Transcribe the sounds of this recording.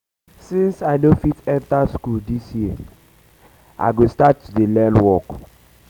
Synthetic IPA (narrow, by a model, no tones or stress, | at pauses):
sĩnsaɪnofitɛ̃ntaskuldisji | ʔa̰ɪɡostatːudelɛ̃nwɔk